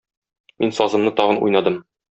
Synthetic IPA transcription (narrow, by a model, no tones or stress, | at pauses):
minsɒzɤ̆mnɤt̪ɒʁɤnṵjnɑd̪ɤm